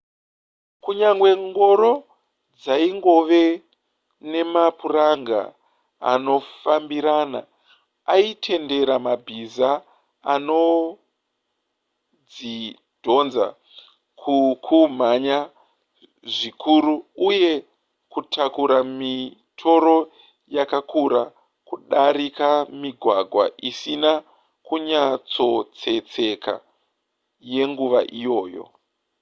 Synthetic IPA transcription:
kuɲaŋɡwe̞ŋɡo̞ɾo̞ | d͡zaiŋɡo̞ʋe̞ | ne̞mapuraŋɡa̰ | a̰no̞fambiɾaːna̰ | aitʰe̞nde̞ɾamabʱizaː | no̞ | d͡zi | d̥ʱo̞nza̰ | kʰukʰum̤aɲa | ʐikʰuɾuuje̞ | kutʰakuɾami | tʰo̞ɾo̞ | jakakuɾa | kuɗaɾikamiɡʱwaɡʱwa̰ʔisina | kuɲat͡so̞t͡se̞t͡se̞ka̰ | je̞ŋɡuʋaʔijo̞ːjo̞̰

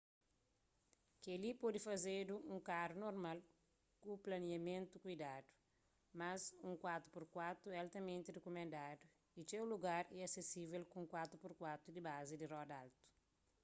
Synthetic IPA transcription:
kelipod̪ifɐzeduũŋkaɾunoɾmal | kuplɐniɐmẽnt̪ukujd̪ad̪u̥ | mɐzũŋkwat̪ɾupuɾkwat̪ɾualt̪ɐmẽnt̪idekumẽnd̪ad̪u | it͡ʃewluɡaɾɛɐsesivelkũŋkwat̪ɾupuɾkwat̪ɾud̪ibazid̪irɔd̪alt̪u̥

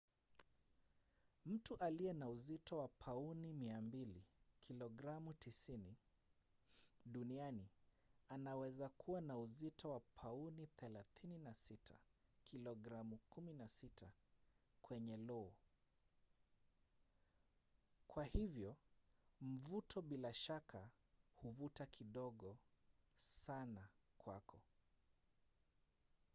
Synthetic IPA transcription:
m̩tuʔaliɛnauzitɔwapʰaunimiambilikʰilɔɡɾamutisini | ɗuniani | anawɛzakʰuwanauzitɔwapʰauniθɛlaθininasitʰa̰kʰilɔɡɾamukuminasitʰakwɛɲɛlɔɔ | kwahivjɔ | m̩vutʰɔɓilaʃakʰa | huvutakʰiɗɔɠɔ | sanakwa̰kʰɔ

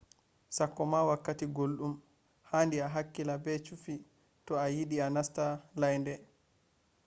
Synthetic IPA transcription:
sakːɔmawakːatiɡolɗum | haːndiaɦakːilabɛt͡ʃufi | tɔajiɗianastalajndɛ

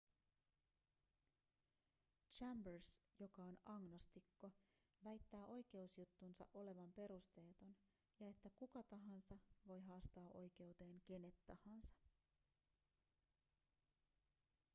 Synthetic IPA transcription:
t͡ʃæmbørsjo̞kɑonɑŋnost̪ikːo̞ | ʋæjt̪ːæːʔo̞jk̟e̞usjut̪ːunsɑ̰ʔo̞le̞ʋɑmpe̞ɾust̪e̞ːt̪on | jɑe̞t̪ːækukɑt̪ɑɦɑnsɑʋo̞jɦɑːst̪ɑːʔo̞̰jk̟e̞ut̪e̞ːŋke̞ne̞t̪ːɑhɑnsɑ̥

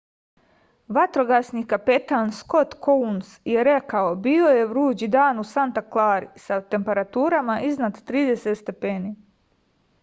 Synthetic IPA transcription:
ʋat̪ɾo̞ɡasnikapet̪aːnsko̞t̪kounsjeɾekao̞bio̞je̞ʋɾuːd͡ʑid̪aːnusant̪aklˠaːɾisat̪e̞mpe̞ɾat̪uːɾamaʔiznat̪ːɾiːd̪e̞set̪st̪e̞peːniː

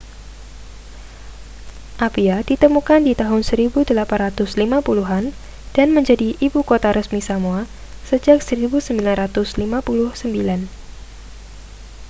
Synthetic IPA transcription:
ʔapiadit̪əmukandit̪aɦʊnsəɾibudəlapanrat̪ʊslimapuluɦan | d̥anməɲd͡ʒadiʔibukot̪aɾəsmisamua | səd͡ʒak̚səɾibusəmbilanrat̪ʊslimapulʊhsəmbilan

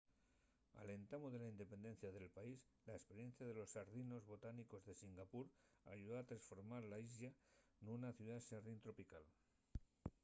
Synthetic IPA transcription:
a̰le̞nt̪amozðe̞laind̪e̞pe̞nd̪e̞nθjaðe̞lpais | laespe̞ɾje̞n̟θjaðe̞lo̞sːaɾðino̞zβo̞t̪aniko̞zðe̞siŋɡapuɾa̰ʝuðoat̪ɾansfo̞ɾmaɾlaizʎanunaθjuðasaɾðint̪ɾo̞pikal

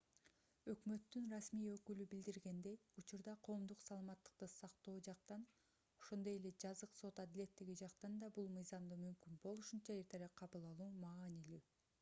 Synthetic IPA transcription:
ø̞kmø̞t̪ːynrɑsmijø̞kylybild̪iɾɡe̞nd̪e̞jut͡ʃuɾd̪ɑqʰo̞ːmd̪uqsɑlˠɑmɑt̪ːɯ̥q̚t̪ɯsɑqt̪o̞ːd͡ʒɑq̚t̪ɑn | o̞̥ʃo̞nd̪o̞je̞le̞d͡ʒɑzɯqso̞t̪ɑd̪ile̞t̪ːiɡid͡ʒɑqt̪ɑnd̪ɑbulˠmɯjzɑmd̪ɯmymkynbo̞lˠuʃunt͡ʃɑe̞ɾt̪ʰe̞ɾɑqʰɑβɯlˠɑlˠuːmɑːnily

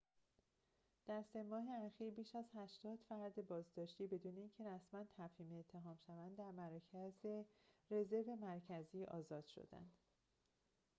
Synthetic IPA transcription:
d̪̥æɾse̞mɒːɦe̞æxiːɾbiːʃæzhæʃt̪ɒːd̪̥fæɾd̪e̞bɒːzd̪ɒːʃt̪iːbe̞d̪uːneiːŋcʰe̞ɾæsmænt̪ʰæfhiːmeet̪ʰːe̞ɦɒːmʃævænd̪dːæɾmæɾɒːcʰæzeɾe̞ze̞ɾve̞mæɾcʰæziːʔɒ̰ːzɒːd̪̥ʃo̰d̪æ̰nd̪̥

